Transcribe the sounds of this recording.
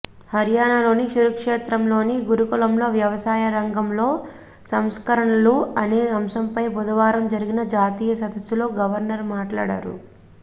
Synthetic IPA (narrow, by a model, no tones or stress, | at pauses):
hɐɾjaːnalo̞ːniʃuɾɐkʂeːt̪ɾɐmlo̞ːniɡuɾukulɐmlo̞ːʋjɐʋɐsaːjɐɾɐŋɡɐmlo̞ː | sɐmskɐɾɐɳɐluɐneːɐmʃɐmpɐjbɔd̪ɐʋaːɾɐmd͡ʒɐɾiɡinɐd͡ʒaːt̪iːjɐsɐd̪ɐsːulo̞ːɡɐʋɐɾnɐɾmaːʈla̰ːɽa̰ːɾṵ